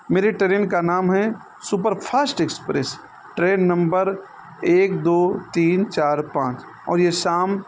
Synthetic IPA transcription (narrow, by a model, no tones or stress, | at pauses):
meːɾeʈɾeːnkanaːmɦɛ | supəɾpʰaːsʈekspɾes | ʈɾeːnːɐ̃mbəɾ | eːkd̪oːt̪iːnt͡ʃaːɾpãːt͡ʃ | ɔ̰ːɾjesaːm